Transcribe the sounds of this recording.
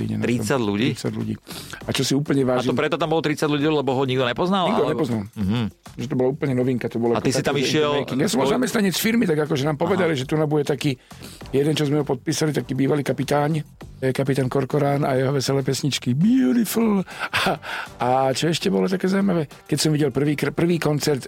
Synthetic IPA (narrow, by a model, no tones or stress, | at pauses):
ḭɲɛ̰naɾiɔmsaɟluɟiit͡sa̰ɟlṵɟḭːat͡ʃɔsiuːpl̩ɲɛʋaːʒiɔmpɾɛt̪ɔt̪ambɔlt̪ɾit͡saɟluɟilɛbɔɦɔɲiɡ̚d̪ɔɲɛpɔznaliɡd̪ɔɲɛpɔznalɦ | ʒɛt̪ɔbɔlauːpl̩ɲɛnɔʋiŋkat̪ɔbɔlɔakt̪iskait̪amiʃɪɛlɛkiasɔmɔlzamɛst̪naɲɛt͡sfiɾmit̪aɡakɔʒɛnaːmpɔʋɛd̪aliʒɛt̪unabuɟɛt̪akiː | jɛd̪ɛnt͡ʃɔzmɛɦɔpɔt̪̚piːsalit̪akiːbiːʋaliːkapit̪aːɲjɛkapit̪aːnkɔɾkɔɾaːnajɛɦɔʋɛsɛlɛːpɛsɲit͡ʃkibjuɾifulaat͡ʃɔɛʃcɛbɔlɔt̪akɛːzaumaʋɛː | kɛcsɔmʋiɟɛlpr̩ʋiːkɾapr̩ʋiːkɔnt͡sɛɾt̪